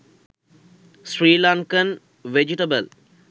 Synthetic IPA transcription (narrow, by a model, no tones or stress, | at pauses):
sɾiːlaŋkən | ʋed͡ʒiʈɐbəl